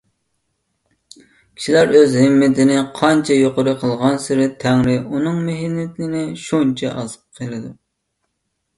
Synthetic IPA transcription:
kʲʰi̥ʃilæɾøzɦɪmːɪt̪ʰɪnɪqʰɑnt͡ʃʰɛjoqəɾɨqʰəlˠʁɑnsɪɾɪt̪ʰæŋɾɪunɨŋmeɦɪnːɪt̪ɪnɪʃunt͡ʃʰɛʔɑzɨp̚qʰelˠɨd̪u

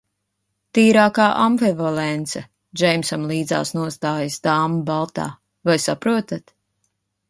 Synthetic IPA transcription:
t̪iːɾaːkaːʔamvɛvɔlɛnt̪sɐ | d͡ʒɛjmsamlˠiːd̪za̰ːsnuɔst̪aːjəsd̪aːmubalˠt̪a̰ː | vajsapɾuɔt̪at̪

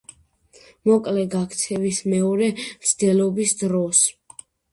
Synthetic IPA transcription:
mɔkʼlɛɡakʰt̪sʰɛvismɛɔɾɛmt̪sʰd̪ɛlɔbisd̪ɾɔs

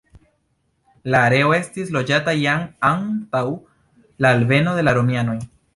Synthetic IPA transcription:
laːɾe̞o̞e̞stislo̞d͡ʒatajaŋantaw | laːlve̞no̞ðe̞laɾo̞mjano̞j

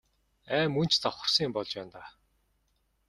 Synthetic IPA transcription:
æːmun̥t͡ɕt͡saχʊ̆r̥siːmpɔɮt͡ɕpæːnt̪aː

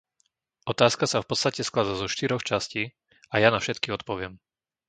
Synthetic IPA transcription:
ʔɔt̪aːskasafpɔt̪st̪acɛsklad̪azɔʃt̪iɾɔxt͡ʃasciː | ajanafʃɛt̪kiɔt̪̚pɔʋɪɛm

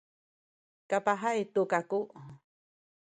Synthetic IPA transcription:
kapaɦait̪ukakuʔ

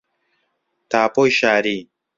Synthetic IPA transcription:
t̪aːpojʃaːɾi

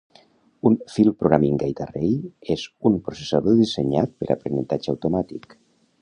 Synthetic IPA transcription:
unfilˠpɾoɣɾamiŋɡajt̪arejezumpɾosesaðoðiseɲat̪̚pəɾa̰pɾenent̪ad͡ʒawt̪omat̪ik

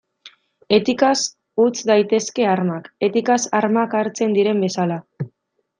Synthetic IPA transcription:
e̞t̪ikas | ut͡sd̪ajt̪e̞ske̞aɾmake̞t̪ikasaɾmakaɾt͡se̞nd̪iɾe̞mbe̞sala

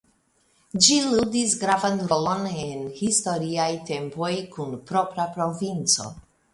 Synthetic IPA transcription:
d͡ʒiludisɡɾavanɾolo̞nenhisto̞ɾiajte̞mpo̞jkunpɾo̞pɾapɾo̞vint͡so̞̰

